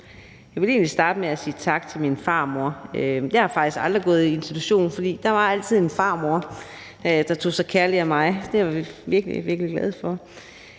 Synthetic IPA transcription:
jɑɪʋe̝le̝ːnlisd̥ɑ̈ːd̥əmeæsiːt͡sʰɑ̈ɡ̥t͡sʰe̝lminfɑ̈ːmo̝ɐøj̥ehɑ̈fɑ̈ɡ̥d̥isɡ̥ɑ̈ld̥ʁiɡ̥ɔ̰̽ːð̞̩ˠie̝nsit͡sʰuɕo̝̰ːn̩fɒd̥ḭːd̥ɑ̈ʋɑ̈æl̰t͡sʰið̞̰ˠe̝nfɑ̈ːmo̝ɐ | d̥ɑ̈t͡sʰo̝̰ːsɑɪkʰæɐliæmɑ̈ɪd̥e̝ʋɑiʋiɐɡ̥lḭʋiɐɡ̥əliɡ̥læð̞ˠfɒ̽

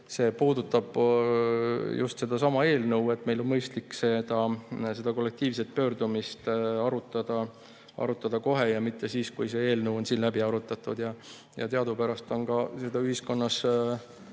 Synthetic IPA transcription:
se̞ːpuːd̪ut̪ːˑɑb̥ | jṵst̪se̞d̪̥ɑsɑmɑe̞ːlnɤwe̞t̪ːˑmelo̞nmɤjst̪likːse̞d̪̥ɑse̞d̪̥ɑko̞lːe̞k̚t̪iːvset̪̚pø̞ːɾd̪umist̪ɑɾut̪ːˑɑd̪̥ɑ | ʔɑ̰ɾut̪ːˑɑd̪̥ɑko̞ɦe̞jɑmit̪ːe̞siːskujse̞e̞ːlnɤwo̞nsiːnlæbiɑɾut̪ːˑɑt̪ːˑud̪̥jɑ | jɑ̰t̪eɑd̪upæɾɑst̪o̞nɡɑse̞d̪ɑyhisko̞nːɑs

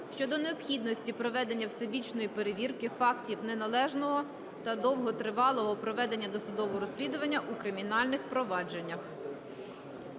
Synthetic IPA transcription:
ʃt͡ʃɔd̪ɔneɔpxʲid̪nɔsʲtʲipɾɔʋɛd̪enʲːɐwsebʲit͡ʃnɔjipeɾeʋʲirkɪfɑktʲiwnenɐlˠɛʒnɔɦɔ | t̪ɐd̪ɔwɦɔt̪ɾɪʋɑlˠɔɦɔpɾɔʋɛd̪enʲːɐd̪ɔsʊd̪ɔʋɔɾɔsʲlʲid̪ʊʋɐnʲːɐʔukɾɪmʲinɑlʲnɪxpɾɔʋɑd͡ʒenʲːɐx

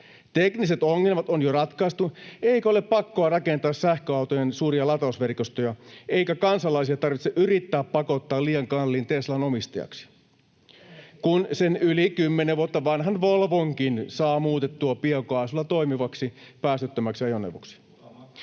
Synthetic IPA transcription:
t̪ekniset̪oŋːe̞lmɑt̪onjorɑt̪kɑist̪ueikæole̞ppːɑkːoɑrɑkent̪ɑːssæhkøɑwt̪ojensuːriɑlɑt̪ɑsʋerkost̪ojɑe̞ijkækɑnsɑlɑisiɑt̪ɑrʋit̪seʔyɾit̪ːæːppɑko̞t̪ːɑːliːjɑŋkɑlːiːnt̪eslɑno̞mist̪ɑ̰jɑ̰ksi̥ | kunsenylikymːeneʋuot̪ːɑʋɑnɦɑnʋolʋoŋkinsɑːmuːt̪et̪ːuɑpiekoɑːˑsulːɑt̪o̞imiʋɑksipæːst̪yt̪ːømæksiɑjonḛʋo̰ksi̥

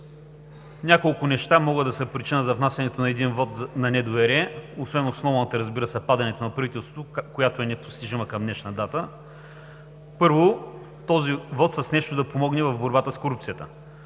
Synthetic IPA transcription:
nʲakolˠkʊnɛʃt̪amɔɡəd̪ɐsɛpɾit͡ʃinəzɐvnasʲɐnɛt̪onɐɛd̪invɔt̪nɐnɛd̪ʊvɛɾiɛosvɛnosnɔvɐnɐt̪ɐɾɐzbiɾəsɛpad̪ɐnɛt̪onɐpɾɐvit̪ɛlˠst̪vo̥t̪okojat̪oɛnɛpo̥st̪iʒiməkɐmnɛʃnəd̪at̪ə | pɤɾvo | t̪ɔzivɔt̪səsnɛʃt̪od̪ɐpomɔɡnɛvɐvboɾbat̪əskoɾup̚t̪sijət̪ə̥

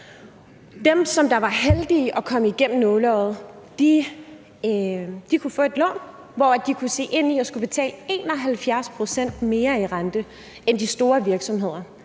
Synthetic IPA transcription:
d̥emsɒ̽md̥ɑ̈ʋɑ̈ɦeld̥iːʔɒ̽kʰɒ̽məiɡ̥em̰n̩nɔːlɒð̩ˠ | d̥i | d̥ikʰufɔ̰̽ːe̝d̥lɔ̰ːn | ʋɒæd̥ikʰuse̝̰ːʔe̝n̰iɒ̽sɡ̥ub̥e̝t͡sʰɛ̰ːləe̝̰ːnɒ̽ɦælfjæɐspʰʁo̝sen̰d̥me̝ːɐiʁand̥ə | end̥isd̥o̝ːɐʋiɐɡ̥sɒ̽mɦe̝ð̞̰ˠɐ

